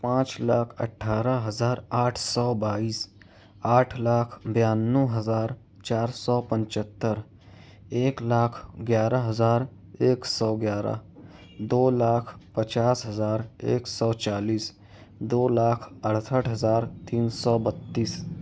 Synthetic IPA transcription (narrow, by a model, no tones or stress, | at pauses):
pãːt͡ʃlaːkʰə̰ʈʰːaːɾəɦɐzaːɾaːʈʰsɔːbaːiːs | aːʈʰlaːkʰbjaːnːuɦəzaːɾ | t͡ʃaːɾsɔːpə̃nt͡ʃət̪ːəɾ | eːklaːkʰɡjaːɾəɦəzaːɾ | eːksɔːɡjaːɾa̰ | d̪oːlaːkʰpət͡ʃaːsɦəzaːɾḛːksɔːt͡ʃaːliːs | d̪oːlaːkʰəɽsəʈʰɦɐzaːɾt̪iːnsɔːbət̪ːiːs